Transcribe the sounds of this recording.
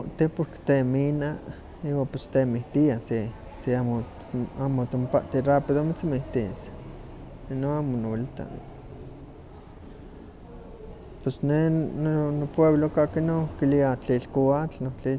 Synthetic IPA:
oʔt̪ipoɾke̥t̪emina | iwapost̪emiht̪iase | siamo | amot̪ompaʔt̪irapiðomit͡smiht̪is | noamonolt̪a̰n | pwesnenonopweβlokakinokiliat͡ɬilkoat͡ɬnot͡ɬi

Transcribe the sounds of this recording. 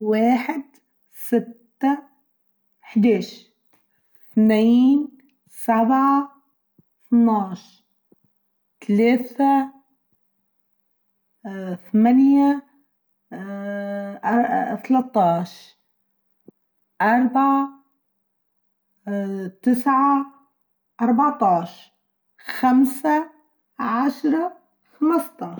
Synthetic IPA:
waːħɪd̪ | sɪt̪ːa | ħd̪aːʃ | θniːn | sabʕa | θnɑːʃ | t̪aleːθa | θamanja | t̪alɑt̪ˤːɑːʃ | ʔɑɾˤbaʕa | t̪ɪsʕa | ʔɑɾˤbɑʕt̪ˤɑːʃ | xamsa | ʕaʃɾˤɑ | xamɨst̪ˤɑːʃ

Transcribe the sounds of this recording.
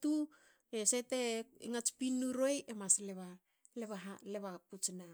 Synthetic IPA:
tu | eseteeŋat͡ʃpinːuɾo̞jemasleβa | leβaɦaleβaput͡ʃna

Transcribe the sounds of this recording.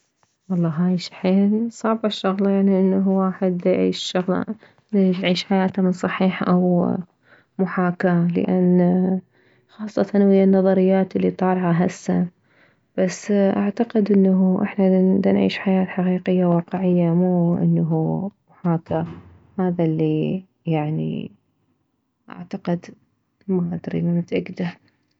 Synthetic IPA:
wɑlˤːɑːɦaːjʃḁħeːnsˤɑʕbaʃːʊɣlɑjaʕniʔɪnːaɦuwaːħɪd̪ajʕḭːʃʃʊɣlɑ̰ | leʃʕiːʃħajaːt̪amɪnsˤɑħiːħʔaw | mʊħaːkalɪ̰ʔanː | xɑːsˤːɑt̪ɑnwɪjːanːɑðˤɑɾɪjːaːt̪ɪlːit̪ˤɑːlʕaɦasːan | b̥asːʔa̰ʕt̪aqɪd̪ʔɪnːaɦuʔɪ̰ħnad̪anʕḭːʃħajaːt̪ħaqiːqɪjːawɑːqɪʕɪjːamuːʔɪ̰nːaɦuːmʊħaːka | haːðalːi | jaʕnḭ | ʔa̰ʕt̪aqɪd̪ | maʔad̪ɾḭnanat̪ʔaɡd̪aɾ

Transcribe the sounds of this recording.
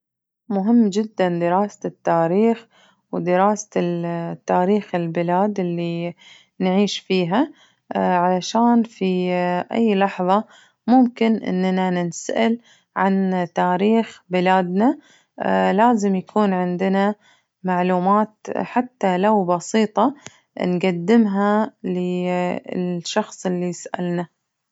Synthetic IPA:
mʊɦɪmːd͡ʒɪd̪ːand̪ɪɾaːsat̪ːaːɾiːx | wd̪ɪɾaːs | t̪ːaːɾiːxɪlbɪlaːd̪ɪlːi | nʕiːʃfiːɦa | ʕalaʃaːnfiʔa̰jːlɑħðˤɑ | mʊmkɪnʔɪ̰nːnanɪnsaʔɪl | ʕant̪aːɾiːxbɪlaːd̪na | laːzɪmjakʰuːnʕɪnd̪ɪna | maʕluːmaːt̪ħat̪ːalawbɑsiːt̪ˤɑ | nɡad̪ːɪmɦalɪ | ʃɑxsˤɪlːisʔa̰lna

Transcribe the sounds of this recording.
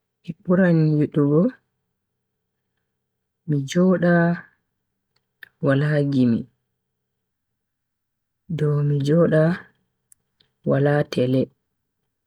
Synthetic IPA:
ʔiɓuɾanjuɗuɡɔ | mid͡ʒɔːɗa | walaɡimḭ | dɔmid͡ʒɔɗa | walaːtɛlɛ

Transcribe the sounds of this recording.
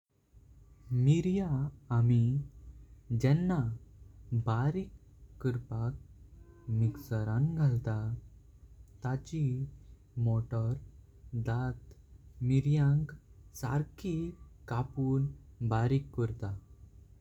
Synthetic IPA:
miɾjaːmi | d͡ʑɛnːa | baɾikː | əɾpak̚ | miksəɾãŋɡʱalt̪a | t̪at͡ɕi | moʈəɾ | d̪at̪miɾjãŋɡsa̰ɾkʰikapuːnbaɾikːəɾt̪a

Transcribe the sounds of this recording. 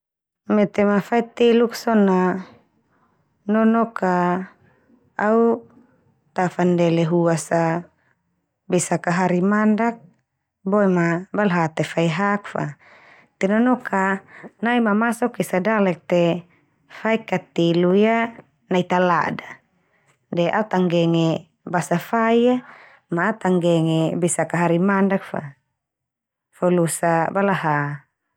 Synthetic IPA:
mɛt̪ɛmafait̪eluksɔna | nɔnɔkʰa | au | t̪afandɛlɛɦuasa | besakaɦaɾimandak̚ | boɛmabalɦat̪efaiɦak̚fa̰ | t̪ɛnɔnɔkʰanaimamasɔkisadalɛk̚t̪ɛ | faikat̪iluja | nait̪ala̰da | dɛʔa̰ut̪aŋɡɛŋɛ | basafaia | maːt̪aŋɡɛŋɛbisakaɦaɾimandak̚fa̰ | fɔlusabalaɦa

